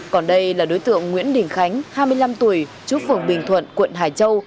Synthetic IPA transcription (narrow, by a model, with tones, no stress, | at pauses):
kɔ˨˩nɗə˧jlaː˨˩ɗo˨˦jt̪ɨ̰˧˨əŋːwḭ˧˥ənɗï˨˩ŋ̟xa˨˦jŋ̟haː˧jmɨ˧əjla˧mt̪u˧˩əj | t͡ɕu˦˥fɨ˨˧˩əŋɓï˨˩ŋ̟t̪ʰwə̰˧˨nkwə̰˧˨nɦaː˨˩t͡ɕə˧w